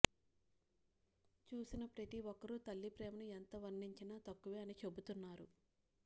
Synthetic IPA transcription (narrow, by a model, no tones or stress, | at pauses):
t͡ʃuːsinɐpɾɐt̪iʋɔkːɐɾut̪ɐlːipɾɛːmɐnuent̪ɐʋɐɾniɲt͡ʃinaːt̪ɐkːuʋeːɐnit͡ʃe̞but̪unːaːɾu